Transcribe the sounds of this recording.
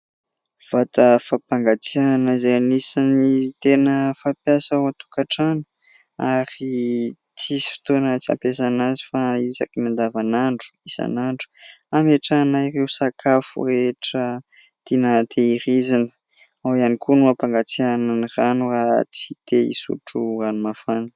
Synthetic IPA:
v̥at̪əfapaŋɡat͡sianaizaanisanit̪enəfapjasawat̪u̥kaʈ͡ʂanu̥ | aɾi | t͡sisi̥fi̥t̪onat͡sia̰mpasanazi̥faiza̰kinand̪avanaɳɖ͡ʐu̥isa̰naɳɖ͡ʐu̥ameʈ͡ʂanairewsakʰafṵɾeʈ͡ʂə | t̪inat̪ʰeiɾizinə̥ | awanikunuapaŋɡat͡siananiranurat͡si̥t̪ʰeḭsṵʈ͡ʂuanumafan

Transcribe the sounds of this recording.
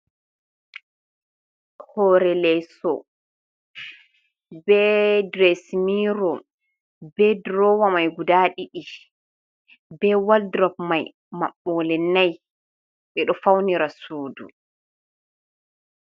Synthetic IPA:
hɔɾɛlɛsɔ | bɛdɾesmiɾɔ | bɛdɾɔwamajɡudaːɗiɗi | bɛwaldɾɔpmaj | ma̰ɓːɔlɛnːaj | ɓɛɗɔfawniɾasoːdṵ

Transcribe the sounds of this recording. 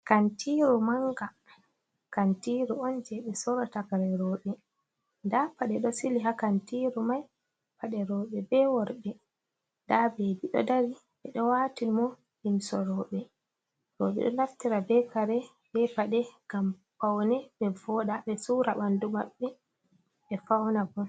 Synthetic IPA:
kantʰiɾumaŋɡa | kantiɾuɔnd͡ʒɛɓɛsɔɾɔtakaɾɛɾɔɓɛ | ndapaɗɛɗɔsiliɦakantiɾumaj | paɗɛɾɔːɓɛbɛwɔɾbɛ | ndabebiɗɔ̰daɾi | ɓɛɗɔwatimɔ | limsɔɾɔɓɛ | ɾɔːɓɛ̰ɗɔ̰naftiɾabɛkaɾɛ | bɛpaɗɛɡ̥ampawnɛbɛvɔɗaɓɛsuːɾa̰ɓandumaɓːɛ | ɓɛfawnaɡɔ

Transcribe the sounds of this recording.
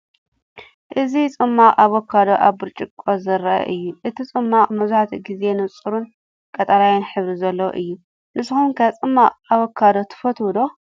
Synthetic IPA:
ʔɨzit͡sʼɨmːaqʼaβokʰːad̪oʔaβbɨɾt͡ʃʼɪkʼːozɐɾɐʔɐ̰ʔɨjːuʔɨt̪ʰit͡sʼɨmːaqʼmɐzuħat̪ʰiɡize̞nɨt͡sʼːɨɾun | kʼɐt̪ʼɐɾajanħɨβɾizɐlːɐw̰ʔɨjːu | nɨsɨxunkʰɐt͡sʼɨmːaʔʼaβokʰːad̪ot̪ʰɨ̥fɐt̪ʰwɔd̪o̞

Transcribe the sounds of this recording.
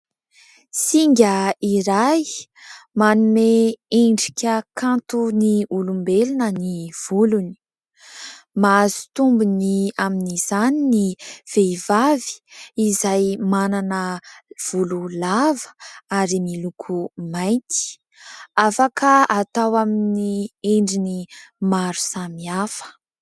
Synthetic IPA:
siŋɡʲəiɾaj | manumeeɳɖ͡ʐikʲəkʰant̪uniulumbelinəniv̥uluni̥ | mazi̥t̪umbuniaminiz̥aniniv̥eivavi̥izajmananəv̥ululavə̥aɾimilukʰumaj̃nt̪i̥ | afakʰəat̪awaminieɳɖ͡ʐinimaɾu̥samiafə̥

